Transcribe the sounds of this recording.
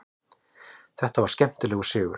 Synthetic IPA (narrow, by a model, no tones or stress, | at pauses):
θɛht̪avaɾ̥scɛm̥t̪ʏlɛːɣʏ̥sʏːɣʏ̰ɾ